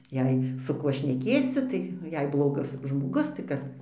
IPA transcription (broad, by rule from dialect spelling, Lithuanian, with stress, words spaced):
ˈjɛɪ sʊ ˈkuɔ ʃʲnʲɛˈkʲeːsʲɪ tɐɪ jɛɪ ˈblˠoːɡɐs ʒmoːˈɡʊs tɐɪ ˈkɐt